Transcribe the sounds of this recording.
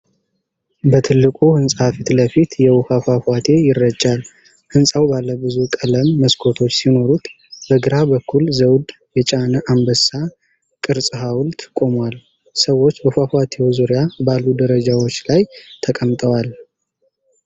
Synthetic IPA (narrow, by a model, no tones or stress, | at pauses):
bət̪ʰɨlːɨkʼuhɨnsʼafit̪ləfit̪jɛwufafafat̪ʰe̞jɪrːəd͡ʒʼːal | hɨnsʼawbalːəbɨzukʼələmːəskʰo̞t̪ʰo̞t͡ʃːsino̞ɾut̪ | bəɡɨɾabəkʰːulzəwd̪ | jɛt͡ʃʼanəʔambəsa | kʼɨɾsʼɨɦawlt̪ʰɨkʼːo̞mwal | səwo̞t͡ʃːbəfafat̪ʰe̞wzuɾijabalːud̪əɾəd͡ʒawo̞t͡ʃːlajt̪ʰəkʼəmt̪ʼəwal